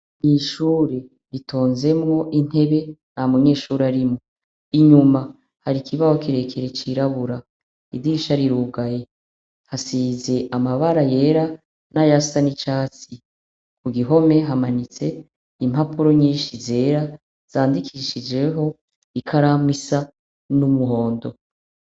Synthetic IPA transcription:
miʃuːɾe | ɾitʰoːnze̞mŋo̞ʔin̥he̞βe̞namuɲe̞ːʃuːɾeaɾimŋo | iɲuma | haɾikʰiβaho̞kiɾe̞kʰeɾet͡ʃiɾaβuɾa | idiʃaɾiɾuɡaje̞ | hasiːze̞ʔamaβaɾaje̞ɾa | najasanit͡ʃaːt͡si | kʰuɡiɦo̞me̞ɦamanit͡se̞ | im̥apuɾo̞ɲiːnʃize̞ːɾa | z̥aːndikʰiʃid͡ʒe̞ɦo̞ | ikʰaɾamwisa | numuɦo̞ːndo̞

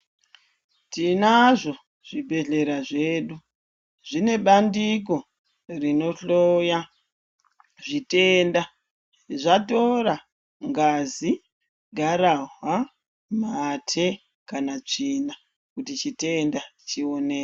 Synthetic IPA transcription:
tinaʐo̞ | ʐ̥ibʱe̞ɮe̞ɾaʐe̞ːɗu | ʐine̞ɓandik̬o̞ | rino̞ɬoja | ʐite̞nda | ʐato̞ra | ŋɡazi | ɡʱaɾaɦwa | matʰe̞ | kanat͡ʂiːna | kutit͡ʃite̞ndat͡ʃio̞ne̞ː

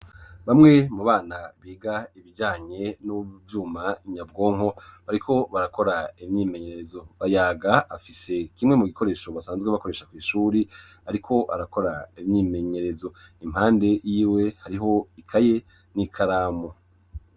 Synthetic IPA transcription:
βamŋe̞muβaːnaβiːɡaiβid͡ʒaːɲe̞nuvjuːmaiɲabɡo̞ːŋho̞βaɾikʰo̞βaɾako̞ɾaivɲiːme̞ɲe̞ɾe̞zo̞βajaːɡaafise̞kimŋe̞muɡiko̞ɾe̞ːʃo̞βasaːnzɡweβako̞ɾe̞ːʃakwiːʃuːɾi | aɾikʰo̞ʔa̰ɾako̞ɾaivɲiːme̞ɲe̞ɾe̞zo̞im̥haːnde̞jiːwe̞haɾiɦo̞ikʰaje̞ | nikʰaɾaːmo

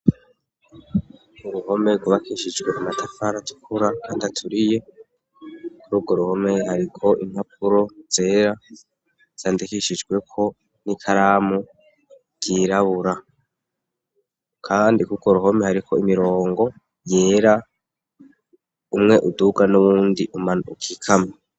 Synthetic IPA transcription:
uɾuho̞meɾɡuβakʰiʃid͡ʒɡwe̞ʔamatʰafaɾatʰu̥kʰuɾakʰaːndiatʰuɾije̞ | kʰuɾuːɡoɾuho̞me̞haɾikʰo̞ʔim̥hap̚ʰuɾo̞z̥e̞ːɾa | z̥aːndikiʃid͡ʒɡwe̞kʰo̞ | nikʰaɾaːmu | ɡ̥iːɾaβuɾa | kʰaːndikuɡo̞ɾuɦo̞me̞haɾikʰoimiɾo̞ːŋɡo̞ | je̞ːɾa | umŋe̞ʔuduɡanuβuːndiʔumaukʰikʰama

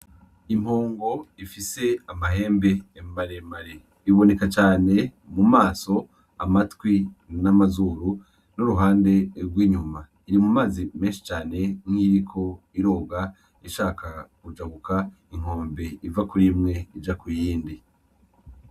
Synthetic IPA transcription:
im̥hoːŋɡo̞ifise̞amaɦe̞ːmbe̞ːmaɾemaɾe | iβo̞ne̞kat͡ʃaːne̞ | mumaːso̞ | amatwinamazuːɾu | nuɾuɦaːnde̞ɾɡwiːɲuma | iɾimumaːzime̞ːnʃi̥t͡ʃaːne̞ŋiɾikʰo̞ | iɾo̞ːɡa | iʃaːkʰakud͡ʒaβuka | iŋ̥o̞ːmbe̞ivakuɾimŋe̞id͡ʒakujiːndi

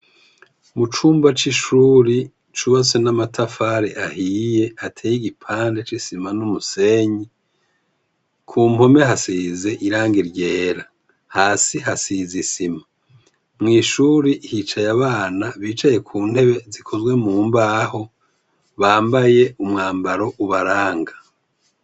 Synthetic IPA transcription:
mut͡ʃuːmbat͡ʃiʃuːɾi | t͡ʃuβat͡senamatʰafaɾeʔahije̞atʰeːjiɡipʰaːnde̞t͡ʃisimanumuse̞ɲi | kʰuːmo̞me̞ɦasize̞ʔiɾaːŋɡiɾɟe̞ːɾa | haːsiɦasizisima | mŋiːʃuːɾihit͡ʃajaβaːnaβiːt͡ʃaje̞kʰuːnhe̞βe̞zikʰo̞zwe̞muːmbaːho̞ | βaːmbaje̞ʔumŋaːmbaɾo̞ʔuβaɾaːŋɡḁ

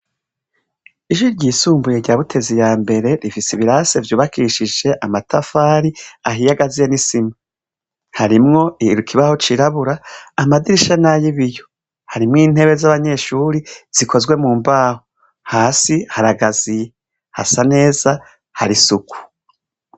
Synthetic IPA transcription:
iʒuɾɟiːsuːmbujeɾɟaːβutʰe̞zijaːmbe̞ɾe̞ɾifisiβiɾase̞vjuːβakʰiʃid͡ʒe̞ʔamatʰafaːɾiaɦijaɡazijenisima | haɾimŋo̞ʔiɾukʰiβaho̞t͡ʃiɾaβuɾaːmadiɾiʃanajiβijo̞ | haɾimŋiːn̥he̞βe̞zaβaɲe̞ʃuɾiz̥ikʰo̞zɡwe̞muːmbaːho | haːsihaɾaɡazije | ha̰sane̞ːza | haɾisuku̥

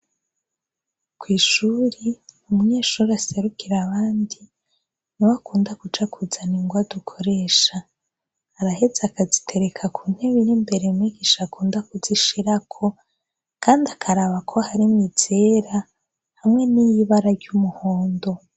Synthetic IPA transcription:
kwiːʃuɾiumuɲeːʃuɾease̞ɾukiɾaβaːndi | niwakuːndakud͡ʒakʰuzaniŋɡwadukʰo̞ɾe̞ʃaː | ɾahe̞zakazitʰe̞ɾekʰakʰun̥heβinimbe̞ɾemiɡiʃakuːndakuziʃiɾakʰo̞ | kaːndiakʰaɾaβakʰo̞haɾimɲiz̥eɾa | hamŋe̞nijiβaɾaɾɟumuhoːndo̞

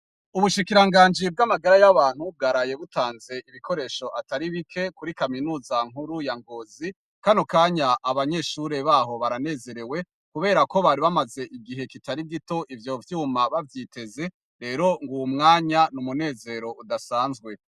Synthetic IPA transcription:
uβuʃikiɾaŋɡaːɲd͡ʒib̚ɡamaɡaɾajaβaːn̥hub̚ɡaɾaje̞βutaːnze̞iβiko̞ɾe̞ːʃo̞ʔataɾiβikʰe̞kuɾikaminuːzaŋ̥huɾujaŋɡo̞zi | kanokaːɲaʔaβaɲe̞ʃuɾe̞βaːɦo̞βaɾane̞ːze̞ɾe̞we̞ | kuβe̞ːɾako̞βaːɾiβamaze̞ʔiɡiɦe̞kitaɾiɡito̞ʔivjo̞vjuumaβavjite̞ze̞ | ɾe̞ːɾo̞ŋɡuwumŋaːɲanumune̞ːze̞ːɾo̞udasaːnzɡwe̞

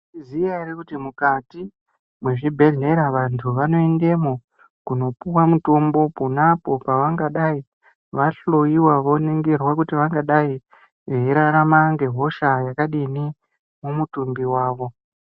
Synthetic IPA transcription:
iziairekutimukati | mwe̞ʐibʱe̞ɮe̞ɾaʋantʰuʋano̞ende̞mo | kuno̞puwamuto̞mbo̞punapo̞paʋaŋɡaɗai | ʋaɬojiwaʋo̞neŋɡerwakutiʋaŋɡaɗai | eiɾaɾamaŋɡe̞ɦo̞ʃajakaɗini | mumutumbiwaːʋo̞

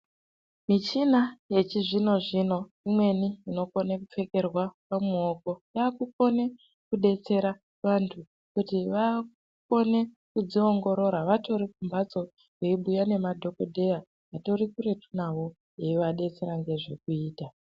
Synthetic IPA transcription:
mit͡ʃinaje̞t͡ʃiʐino̞ʐino̞ | imwe̞niːno̞ko̞nekup͡fe̞ke̞rwapamuoko̞jaːkuko̞ne̞ | kuɗe̞t͡se̞ɾa | ʋantʰu | kutiʋaku | ko̞ne̞ | kud͡zio̞ŋɡo̞ɾo̞ɾaʋato̞ɾikumbat͡so̞ | keiɓujane̞madʱo̞ko̞dʱe̞ja | ʋato̞rikure̞tʰunawo | eʋaɗe̞t͡se̞ɾaŋɡe̞ʐe̞k̚uiːta

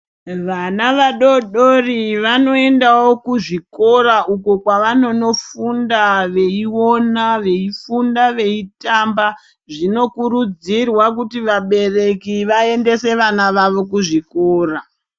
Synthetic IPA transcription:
ʋanaʋaɗo̞ɗoriʋano̞e̞ndawo̞kuʐiko̞ɾaʔuko̞kwaʋano̞no̞fundaʋe̞iwo̞naʋe̞ifundaʋe̞itamba | ʐino̞kuɾud͡zirwakutiʋaɓe̞re̞kiʋae̞nde̞se̞ʋanaʋaʋo̞kuʐiko̞ːra

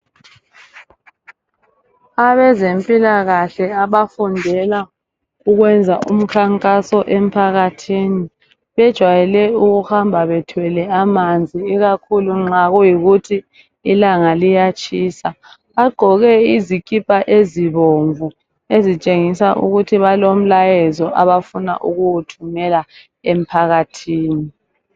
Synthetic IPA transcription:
aβɛzempʼilaɣaɬɛaβafundʱɛla | uɣwɛnd͡zʱaʔum̩kʰaŋkʼasɔʔem̩pʰaɣatʰini | βɛd̥ʒ̥ʱwajɛlɛuɣuxambʱaβɛtʰwɛlɛamand͡zʱiːɣakʰuluŋ͡ǁaɣujiɣutʰiː | laŋalijat͡ʃʼʰiːsa | βaɡ͡ǃʱɔɣɛizikʼipʼaʔeziβoɱvu | ezit͡ʃʼeŋisaʔṵɣutʰiβalom̩lajɛzɔʔaβafuna̰ʔuɣuwutʰumɛla | em̩pʰaɣatʰiːni

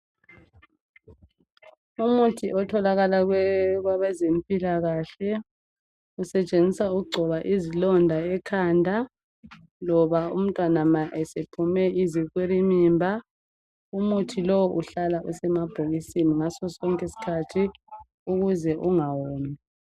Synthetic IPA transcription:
umutʰiʔɔtʰɔlaɣalaɣwɛɣwaβɛzempʼilaɣaɬɛ | usɛt͡ʃʼend͡zʱisauɣuɡ͡ǀʱɔβaʔizilɔndʱaɛkʰandʱa | lɔβaṵm̩tʼwanamaʔɛsepʰumɛiziɣweɾimiːmbʱa | umutʰilɔwʔuɬalaʔusɛmab̥ʱoɣisiniŋasɔsɔŋkʼesi̥kʰatʰi | uɣuzɛʔuŋawoːmi

